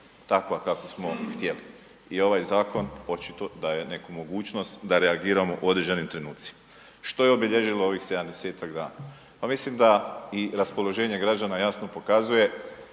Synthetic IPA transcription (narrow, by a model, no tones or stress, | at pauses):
t̪akoakakosmo̞xt̪je̞li | io̞ʋajzaːko̞no̞t͡ʃit̪o̞d̪aje̞ne̞kumo̞ɡuːt͡ʃno̞st̪d̪aɾe̞aɡiːɾamo̞ʔo̞d̪ɾed͡ʒenimt̪ɾe̞nuːt̪si̥ma | ʃt̪o̞jeobiʎe̞ʒiloo̞ʋixse̞d̪amd̪ese̞ːt̪aɡd̪aːna | pamislimd̪aiɾaspo̞lˠo̞ʒe̞ːɲe̞ɡɾad͡ʒanajasno̞po̞kazuje̞